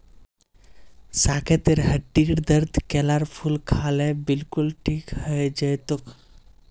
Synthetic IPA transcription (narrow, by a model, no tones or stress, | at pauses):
saːkʰet̪eɾɦəʈːiːɽd̪əɾd̪ʱkeːlaɾpʰulkʰaːlebilkulʈʰiːkhəjd͡ʒəjt̪uk